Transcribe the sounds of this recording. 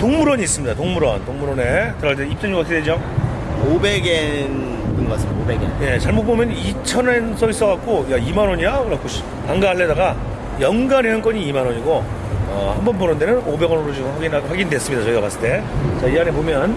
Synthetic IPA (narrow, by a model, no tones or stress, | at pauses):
toŋmuɾʌɲiːs͈ɯmɲid̪atoŋmuɾʌntoŋmuɾʌne̞tɯɾaɭt͈eip̚t͡ɕ͈ʌnjuɡʌtʰeded͡ʑo | obeɡen | ɡɯnɡʌas͈ɯobeɡenje̞t͡ɕaɭmop͈omjʌnit͡ɕʰʌnensʰʌis͈ʌɡak͈ojaimanwʌɲiakɯɾak͈ʰoɕ | aŋɡaaɭːedaɡa | jʌŋɡaneʌnk͈ʌɲiːmanwʌɲiɡo | ʌ̰hambʌnboɾʌnde̞nɯnobe̞ɡʌnɯɾod͡ʑiwaɡinɸaɡindwe̞s͈ɯmɲidat͡ɕʌiɡʌkas͈ɯɭt͈e̞t͡ɕaianepomjʌn